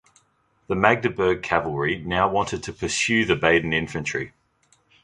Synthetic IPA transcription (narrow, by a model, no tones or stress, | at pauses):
ðəmæɡ̚dəbɜːɡ̚kʰævəlˠɹinaʊwɒ̃ntɪd̚tʰəpʰəsjʉːðəbeɪdⁿn̩ɪ̃ɱfə̃nt͡ʃɹ̥i